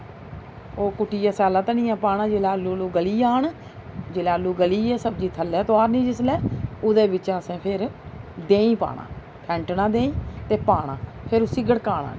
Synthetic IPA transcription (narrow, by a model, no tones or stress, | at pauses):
oːkʊʈːiːɛːsɛːlãːt̪anĩːɛ̃ːpaːɳaːd͡ʒelaːlːuːluːɡəliːaːɳ | d͡ʒɪlaːlːuːɡəliːɛːsəbd͡ʒiːt̪ʰəlːɛːt̪oaːɾnĩːd͡ʒɪslɛːʊd̪eːbɪt͡ʃasẽːpʰɪɾd̪ẽːĩːpa̰ːɳã̰ː | pʰɛ̃ːɳʈnãːd̪ẽːĩːt̪eːpaːɳ̃ã̰ː | pʰɪɾosɪɡəɽkaːɳa̰ː